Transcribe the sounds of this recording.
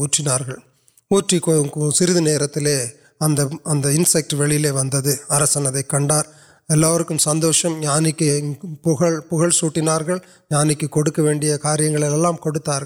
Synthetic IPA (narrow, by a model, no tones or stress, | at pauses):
uːʈrɪnaːɾɣɐɭ | uːʈrikɔksɪɾɯðɯneːɾɐt̪ːɪleː | ɐnd̪ɐɐnd̪ɐɪnsɛk̚ʈʋɛɭɪjɪleːʋɐnd̪ɐðɯɐɾɐsɐnɐðɐɪkːɐɳɖaːɾ | ɛlːaːʋɐɾɯkːɯmsɐnd̪oːʂɐmɲaːnɪkːɯpʊɣɐɭpʊɣɐɭsuːʈːɪnaːɾɣɐɭ | ɲaːnɪkːɯkːɔɽɯkːɐʋeːɳɖɪjɐkaːɾɪjɐŋɡɐɭɪlɛlːaːmkɔɽɯt̪ːaːɾɣɭ